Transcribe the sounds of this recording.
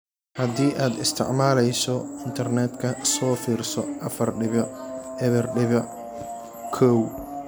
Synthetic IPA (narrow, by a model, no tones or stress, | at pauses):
hɐd̪iːʔaːd̪ɪst̪ʰɪ̰ʕmaːlɛjsɔɪnt̪ʰɐrnɛːd̪kʰɐsɔːfiːrsɔʔɐfɐrɖɪβɐɛβɐrɖɪβɐʕ | kʰɔw